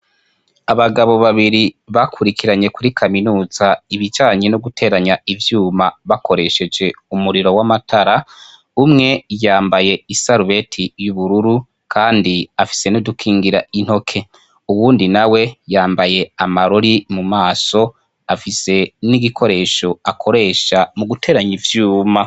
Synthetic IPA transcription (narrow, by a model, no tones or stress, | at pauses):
aβaɡaβo̞βaβiɾiβakʰuɾikʰiɾaɲe̞kuɾikʰaminuːz̥aiβid͡ʒaːɲe̞noɡutʰe̞ːɾaɲaivjuːmaβako̞ɾe̞ʃe̞d͡ʒe̞umuɾiɾo̞wamatʰaɾa | umŋe̞jaːmbaje̞isaɾuβe̞tʰijuβuɾuɾu | kʰaːndiafi̥se̞nudukʰiːŋɡiɾain̥ho̞kʰe̞ | uwuːndinawe̞jaːmbaje̞amaɾoɾimumaːso̞ | afise̞niɡikʰo̞ɾe̞ːʃo̞akʰo̞ɾe̞ːʃamuɡutʰe̞ːɾaɲivjuːma